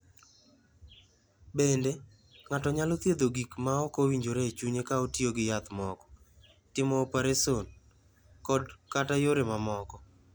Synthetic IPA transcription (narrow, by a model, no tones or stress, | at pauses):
bende | ŋatɔɲalot̪ied̪oɡikmaɔkowiɲd͡ʒoɾeːt͡ʃuɲekaotjoɡɪjat̪mɔkɔ̥ | tɪmɔːpaɾeson | kɔdkatajoɾemamɔkɔ